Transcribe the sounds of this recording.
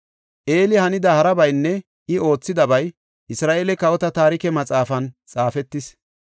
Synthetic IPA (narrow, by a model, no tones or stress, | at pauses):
ʔe̞ːlɪhɐnɪd̪ɐhɐɾɐbɐjnːɛ | ʔɪo̞ːt͡sːɪd̪ɐbɐj | ʔɪsɾaːʔeːlɛkɐwɔt̪ɐt̪aːɾɪkɛmɐt͡sʼaːfɐnt͡sʼaːfɛt̪ːɪs